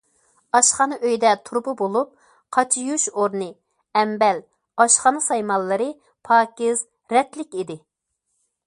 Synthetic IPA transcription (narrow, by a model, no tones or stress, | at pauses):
ɑʃχɑnɨʔøjd̪ɛt̪ʰuɾbʊbolˠup̚ | qʰɑt͡ʃʰijuʃoɾnɨ | ɛmbɛl | ɑʃχɑnɨsɑjmɑlˠːɨɾɨ | pʰɑːkʲɪz̥ | ɾɛt̪lɪkʲid̪ɪ